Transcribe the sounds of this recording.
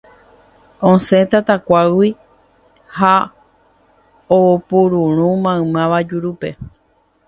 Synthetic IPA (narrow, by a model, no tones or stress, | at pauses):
õsẽ̞t̪at̪akʷawʷi | ha | oopuɾũɾ̃ũmãɨ̃mãʋad͡ʒuɾupe̞